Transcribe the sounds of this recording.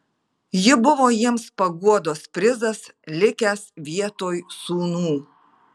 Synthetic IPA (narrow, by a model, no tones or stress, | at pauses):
jɪbʊʋoːjiɛmspɐɡuɔd̪oːspʲɾʲɪzɐslʲɪkʲæːsʋʲiɛt̪oːjsuːnuː